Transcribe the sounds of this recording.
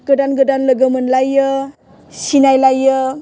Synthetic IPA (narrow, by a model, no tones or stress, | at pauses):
ɡ̥ədanɡədanləɡʌmənlajːʌ | sinajlajːʌ